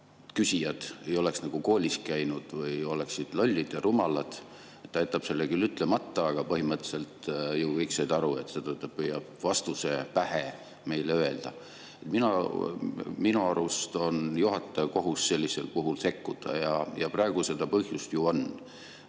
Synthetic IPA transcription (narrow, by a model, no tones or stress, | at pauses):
kysijɑd̪̥e̞jo̞le̞ksnɑɡ̥uko̞ːlʲiskæjnud̪̥vɤjo̞leksid̪̥lolʲːid̪̥jɑɾumɑlɑd̪̥ | et̪ːɑjt̪ːˑɑb̥se̞lːekylyt̪ˑle̞mɑt̪ˑːɑɑɡ̥ɑpɤɦimɤt̪ːˑse̞lt̪juvɤjksejd̪̥ɑɾue̞t̪ːset̪øt̪ːˑɑp̚pːɯjːɑb̥vɑst̪use̞pæhe | me̞jleøe̞ld̪̥ɑ | e̞t̪minu | minuɑɾust̪o̞njuɦɑt̪ːˑɑjɑko̞ɦusːe̞lʲːise̞̰lpuɦulse̞kːud̪̥ɑ̰jɑjɑprɑe̞ɡ̥use̞d̪̥ɑpɤhjust̪juo̞n